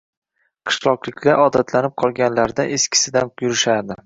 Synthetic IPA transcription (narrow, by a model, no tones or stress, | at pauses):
qʰɨ̥ʃlˠɒqlˠɪkʲʰlʲaʔɒd̪at̪ʰlanɪp̚qʰɒlˠɡʲanlaɾd̪aʔeskʲʰɪ̥sɪd̪anjʊɾɪʃad̪ɪ